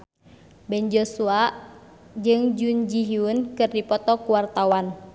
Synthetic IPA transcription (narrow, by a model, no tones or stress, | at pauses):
bɛnd͡ʒɔsuaʔ | d͡ʒɨŋd͡ʒund͡ʒiɦiunkɨrdipɔt̪ɔkuwart̪awan